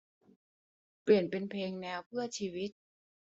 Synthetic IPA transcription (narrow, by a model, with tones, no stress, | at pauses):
pli˨˩ənpe˧npʰeː˧ŋnɛː˧wpʰɯ˥˩ɐt͡ɕʰiː˧wi˦˥t̪̚